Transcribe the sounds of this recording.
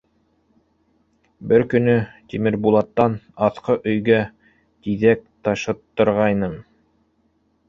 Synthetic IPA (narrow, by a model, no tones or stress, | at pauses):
bɘɾkɵ̆nɵt̪imɘɾbulˠɑt̪ːɑnɑθqɤʔɵ̆jɡæ | t̪iðæk̚t̪ɑʃɤ̆t̪ːɤ̆ɾʁɑjnɤm